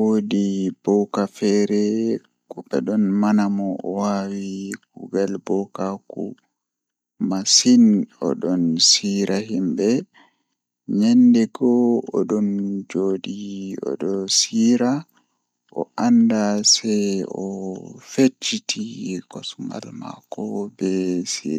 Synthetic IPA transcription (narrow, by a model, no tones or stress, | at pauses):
wodib̥ɔwkafɛɾɛ | kɔɓɛ̰ɗɔnmanamɔɔ̰wawiɡuɡalbɔkakṵ | masinɔ̰ɗɔnsiɾaɦimbɛ | ɲɛndɛɡɔɔɗɔnd͡ʒodiɔ̰ɗɔsiɾa | ʔɔ̰ʔandasɛjɔfet͡ʃːitʰikɔsma̰lma̰kɔbɛsḭɾ